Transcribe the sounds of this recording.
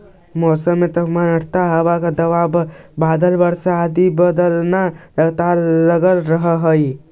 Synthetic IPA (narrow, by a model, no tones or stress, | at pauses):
mɔsəmːet̪əpmanəɽʰt̪aɦəbakad̪əʋabbad̪əlbəɽsaad̪ibəd̪əlnaɾəɡt̪aɾləɡəlɾəɦəɦəj